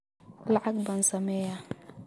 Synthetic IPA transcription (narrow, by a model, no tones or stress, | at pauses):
laʕak̚bansamɛja